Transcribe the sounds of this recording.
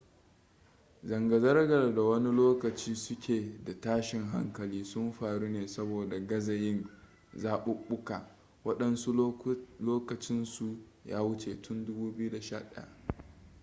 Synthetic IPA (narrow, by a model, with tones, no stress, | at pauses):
zɐ˨ŋɡɐ˨zɐ˦rɡɐ˨rda˨wɐ˦ni˦loː˦kɐ˨t͡ʃiː˦sʊ˦kʲeː˨da˨taː˦ʃɪ˨ŋɦa̰˦ŋkɐ˨liː˦sʊ˦mɸaː˨ɽu˦neː˨sɐ˦boː˨da˨ɡɐ˦zɐ˨jɪ˦n | zaː˦ɓʊ˦ɓʊ˦ka̰ː˨ | wɐ˦ɗɐ˦nsu˦loː˦kɐ˨t͡ʃɪ˦nsu˨ja̰ː˦wʊ˦t͡ʃe˨tʊ˦ndʊ˦buː˦bɪ˦ju˦da˨ʃa̰ː˦ɗa̰˨ja̰˨ʔ